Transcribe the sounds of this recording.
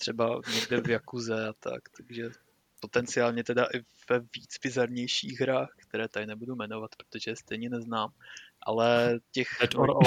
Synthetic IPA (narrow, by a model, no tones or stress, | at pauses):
t̪r̝̥ɛbaɲɛɡdɛvjakuzɛat̪ʰa̰kt̪aɡʒɛ | po̞t̪ɛnt͡sɪaːlɲɛt̪ɛdaʔɪvɛviːt͡sbɪzaɾɲɛjʃiːɣɦɾaːxkt̪ɛɾɛːt̪adɪnɛbudumɛno̞vat̪pɾot̪o̞ʒɛjɛst̪ɛjɲɛnɛznaːmʔa̰lɛcɛxɛtoɾ